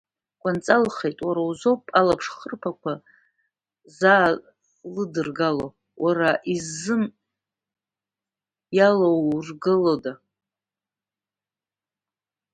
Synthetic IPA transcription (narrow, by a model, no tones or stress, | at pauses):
kʷʼant͡sʼalχejtʼwaɾawzopʼalapʰʂχərpʰakʷʰa | za | lɨdɨrɡalo̰ | wʔaraʔizːɨm | jalowrɡɨloda